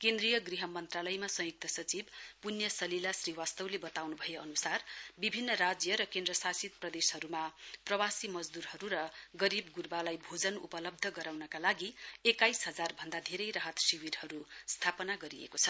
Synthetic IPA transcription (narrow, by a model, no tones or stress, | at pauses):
kend̪rijʌɡriɦʌmʌnt̪ralʌjmasʌ̃juk̚t̪ʌsʌt͡sibpunjʌsʌlilasriwast̪ʌwlebʌt̪awnubʱʌjeʌnusarbibʱinːʌrad͡zjʌɾʌkend̪rʌsasit̪̚prʌd̪eshʌɾumaprʌwasimʌd͡zd̪uɾɦʌɾuɾʌɡʌɾibɡurbalajbʱod͡zʌnupʌlʌb̚d̪ʱʌɡʌɾawnʌkalaɡiekajsɦʌd͡zarbʱʌnd̪ad̪ʱeɾʌjrʌɦʌt̪siwirhʌɾust̪ʰapʌnaɡʌɾiḛkot͡sʰʌ